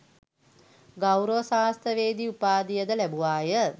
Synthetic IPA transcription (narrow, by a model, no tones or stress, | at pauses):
ɡawɾoʋsaːɦst̪əʋeːd̪iupaːd̪ijəd̪əlæbuʋaːjə